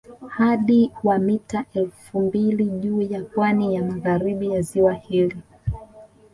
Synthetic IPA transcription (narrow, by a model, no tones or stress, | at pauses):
haɗiwamitaʔɛlfumbiliʄuːjapwanijamaɣaɾiɓijaziwahili